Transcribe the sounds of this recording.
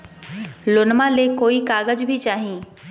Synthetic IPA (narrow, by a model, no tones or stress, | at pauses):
lonmãlekoːikaːɡəd͡ʒbʱit͡ʃaːɦĩː